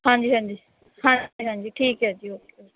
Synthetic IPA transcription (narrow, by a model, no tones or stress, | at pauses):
hãːɲd͡ʒiːɦãːɲd͡ʒiː | hãːiːɦãːɲd͡ʒiːʈʰiːkɦɛːd͡ʒiːoːkeː